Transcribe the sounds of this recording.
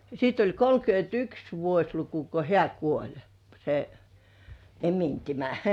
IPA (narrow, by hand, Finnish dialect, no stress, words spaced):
sit olʲ kolkyøntyks ʋuosʲluku ko heæ kuolʲ se emintimæ